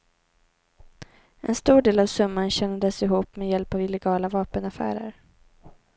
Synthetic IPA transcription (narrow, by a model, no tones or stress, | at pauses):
ʔɛ̰nst̪uːɖeːlavsɵmːanɕɛnd̪əsɪɦuːpmɛjɛlpavɪlɛɡɑːlavɑːpənafæ̰ːɾə̰ɾ